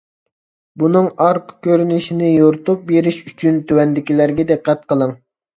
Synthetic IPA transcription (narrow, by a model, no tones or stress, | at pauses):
bunɨŋɑɾqkʲøɾynɪʃinɪjoɾt̪up̚beɾɪʃyt͡ʃʰynt̪ʰøwɛnd̪ɪkʲilæɾɡʲɛd̪ɨqːæt̪qʰəlˠəŋ